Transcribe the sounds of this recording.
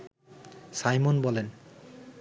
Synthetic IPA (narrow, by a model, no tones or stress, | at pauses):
sajmonbɔlen